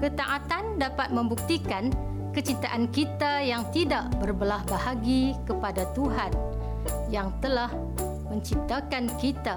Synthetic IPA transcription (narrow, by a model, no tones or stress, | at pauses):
kət̪aʔat̪andapat̪̚mə̃mbuk̚t̪ikan | kət͡ʃit̪aʔankit̪ajaŋt̪idaʔbərbəlahbahaɡikəpadat̪uɦan | jaŋt̪əlah | mə̃ɲt͡ʃip̚t̪akankit̪a